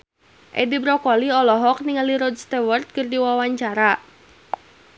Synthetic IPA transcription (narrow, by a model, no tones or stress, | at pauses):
ʔɛ̰dibɾɔkɔliɔlɔɦɔk̚niŋaliɾɔdst̪ɛwɔrt̪̚kɨrdiwawaɲt͡ʃaɾa